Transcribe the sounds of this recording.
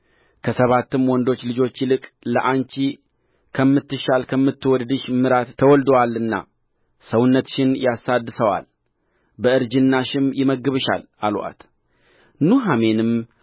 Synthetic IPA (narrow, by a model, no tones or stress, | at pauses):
kʰəsəβat̪ːɨmwɔnd̪o̞t͡ʃːlɨd͡ʒo̞t͡ʃːilɨkʼləʔant͡ʃi | kʰəmːɨt̪ːɨʃalkʰəmːɨt̪ːɨwɔd̪d̪ɨʃmɨɾat̪ʰːəwɔld̪əwalːɨnːa̰ | səwʊnːət̪ʃɪnjasad̪ːɨsəwa̰l | bəɨɾd͡ʒɨnːaʃɪmjɪməɡɨβɨʃa̰l | alwa̰t̪ | nuɦame̞nɨm